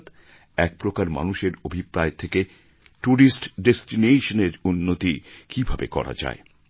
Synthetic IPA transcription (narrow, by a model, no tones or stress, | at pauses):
t̪ | ɛk̚pɾokaɾma̰nuʃeɾobʱipɾaet̪ʰeke | ʈuɾisʈɖesʈineʃoneɾunːot̪ikibʱabekɔ̰ɾa̰d͡ʑa̰e